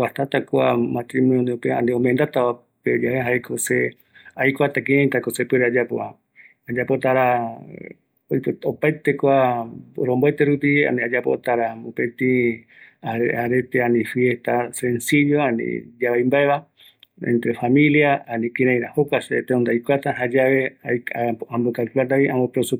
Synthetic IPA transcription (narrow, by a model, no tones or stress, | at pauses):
waht̪at̪akʷa̰mat̪ɾimonjpea̰nd̪eomẽnd̪at̪aa | ped͡ʒaheɦaekʰose | ajkʷat̪ak̬iɾẽjt̪akosepeɾead͡ʒapoa̰ | ad͡ʒapot̪aɾa | ojpopaet̪ekʷaɾomboet̪eɾupia̰niad͡ʒapo̰t̪aɾaopet̪ĩ | aaɾet̪eanĩfjeht̪ase̞nsid͡ʒoanḭ̃d͡ʒaβajmbaeβa | ḛnt̪ɾefamĩljaanĩkiɾãj̃ɾahokʷaset̪eond̪ajkʷat̪aɦad͡ʒaβeaambokalkulat̪aiamopeɾosu